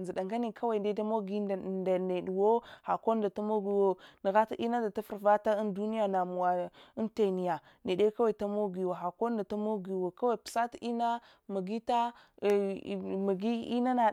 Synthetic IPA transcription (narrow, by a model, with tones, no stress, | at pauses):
zi˨ɗa˨ŋɡa˦ni˨kʰa˦wa˦˨i˨nde˦ta˦mo˦ɡi˦˨da˨ne˨du˨wo˦ha˨ko˦da˨ta˦mo˦ɡi˦wo˦nə˨ɣa˦ta˦ʔi˦na˦da˨ta˦fu˨ɾva˦ta˦i˦ndu˦ni˦ja˨na˨mu˨wa˨i˦nte˨ni˨ja˨ | ni˨de˦ka˦wa˨i˨ta˦mo˦ɡi˨wo˨ɦa˨ko˦nda˨ta˦mo˦ɡi˨wo˨ka˦wa˦˨pi̥˨sa˦ta˦i˦na˦ | ma˨ɡi˦ta˦˨ | ma˨ɡi˦ḭ˦na˦na˨